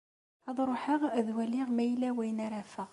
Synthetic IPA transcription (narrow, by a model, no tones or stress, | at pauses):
ɑðˤɾˤoħəʁðwæliʁmæjlæwæjnæɾæfəʁ